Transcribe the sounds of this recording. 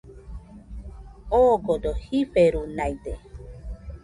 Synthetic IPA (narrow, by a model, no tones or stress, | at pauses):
oɡod̪ohiɸeɾunajd̪e